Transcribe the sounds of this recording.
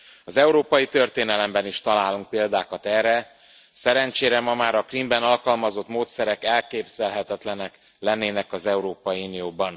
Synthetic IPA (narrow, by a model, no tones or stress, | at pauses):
ɒzɛuɾoːpɒjit̪ø̞rt̪eːnɛlɛmbɛniʃt̪ɒlaːluŋk̚peːld̪aːkɒt̪ɛːrːɛ | sɛɾɛnt͡ʃeːɾɛmɒmaːɾɒkrimbɛnɒlkɒlmɒzo̞t̪moːt̪sɛɾɛkɛlkeːbz̥ɛlɦɛt̪ɛt̪lɛnɛk | lɛnːeːnɛkɒzɛuɾoːpɒjiunijoːbɒn